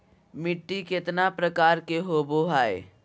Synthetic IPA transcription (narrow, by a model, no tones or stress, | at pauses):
mɪʈːikɪt̪napɾəkaːɾkeɦoːboɦaːḛː